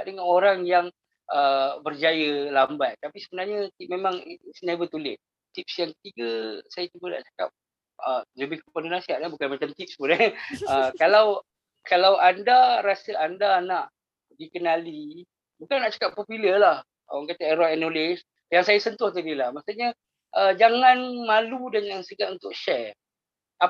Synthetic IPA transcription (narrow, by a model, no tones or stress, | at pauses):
adəŋanoɾaŋjaŋ | ʔəbərd͡ʒajəlambat̪̚t̪apisəbənarɲət̪ip̚memãŋsnabət̪ulɪt̪̚ | t̪ip̚sjaŋkə̥t̪iɡəsajat͡ʃubəna̰ʔt͡ʃḁka̰p̚ | ʔələbɪhkəpandonasiaʔnabukanmat͡ʃamt̪ip̚sbuɾaəkalaw | kalawʔandaɾasəʔandanaʔ | dikənali | bukanːaʔt͡ʃḁkapːopiləlah | a̰waŋkat̪aɛɾɔjɛnolɪs | jaŋsajasənt̪ʊht̪adilahmaʔsaɲə | ʔəd͡ʒaŋanmaludanjaŋsəɡat̪unt̪ʊk̚ʃɛr | a